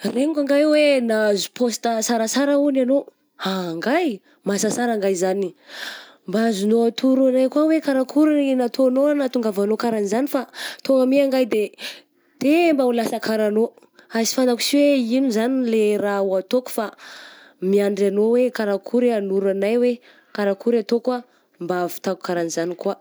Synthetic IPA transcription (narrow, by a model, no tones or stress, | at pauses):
reŋkaŋɡajwenazu̥post̪asaɾasaɾaunano | haŋɡaj | masasaɾaŋɡajzani | mbaazunoat̪ʰuɾanajkwawekaɾakʰuɾininat̪ʰonoanat̪uŋɡavanokaɾanizanifat̪oŋəmiaŋɡajd̪e | t̪embaulasakaɾano | azi̥fanaku̥siweinuzanileraoat̪oku̥fa | miaɳɖ͡ʐanowekaɾakʰuɾianuɾanajwe | kaɾakʰuɾat̪oka | mbavi̥t̪aku̥kaɾanizanikwa